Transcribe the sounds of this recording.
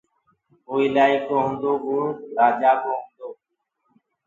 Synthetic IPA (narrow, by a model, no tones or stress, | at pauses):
oːiːlaːiːkoːɦʊ̃ːnd̪oːbuːɾaːd͡ʒaːkoːɦũnd̪oː